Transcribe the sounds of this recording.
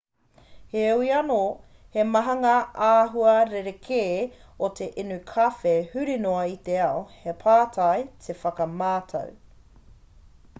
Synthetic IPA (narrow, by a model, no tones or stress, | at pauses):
heuiɐno | hemɐɦɐŋɐaːɦuɐɾeɾekʰeː | ot̪ʰe̞ʔenʉkʰɐfehʉɾinoɐit̪eɐohepʰaːtʰɐjtʰefɐkɐmaːtʰɐ̰w